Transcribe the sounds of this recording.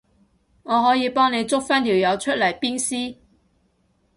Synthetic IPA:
ŋɔː˨˧ɦɔː˨˥jiː˨˧pɔː˥ŋne˨˧jt͡sʊ˥k̚fɐ˥nliː˨˩wjɐ˨˧wt͡ʃʰɵ˥t̚lɐ˨˩jpiː˥nsiː˥

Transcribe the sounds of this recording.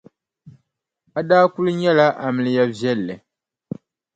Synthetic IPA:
a˦daː˦ku˦lɨ˦ɲɛ˦la˦ʔa˨mɨ˨lɨ˨ja˦vjɛ˦lːɛ˨

